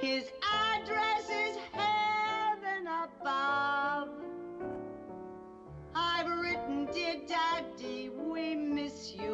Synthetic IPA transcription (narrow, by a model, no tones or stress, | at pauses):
hɪzædɹɛsɪz̥hævɨ̃nəbʌv | aɪvɹɪtn̩dɪdædiwimɪsjʉ